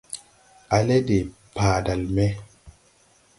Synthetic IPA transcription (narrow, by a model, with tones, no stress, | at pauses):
a˨le˦de˨ | paː˨da˨lme˦